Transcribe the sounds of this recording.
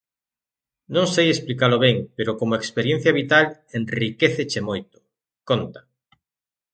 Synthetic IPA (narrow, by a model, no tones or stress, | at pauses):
nõŋsejesplikaloβ̞eŋpeɾokomoekspeɾjen̟θjaβit̪alenrikeθet͡ʃemojt̪o̥ | kont̪ḁ